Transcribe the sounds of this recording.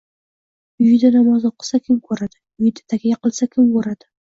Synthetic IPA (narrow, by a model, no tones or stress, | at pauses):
ʊjɪd̪anamɒzoqʰɨ̥sakʲʰɪmkʰɵɾad̪ɪ | ʊjɪd̪ḁt̪ʰakʲajaqɨlˠsakʲʰɪmkɵɾad̪̥ɪ